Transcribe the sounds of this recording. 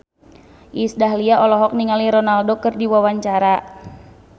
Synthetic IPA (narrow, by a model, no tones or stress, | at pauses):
ʔisdaɦliaʔɔlɔɦɔk̚niŋaliɾɔnaldokɨrdiwawaɲt͡ʃaɾa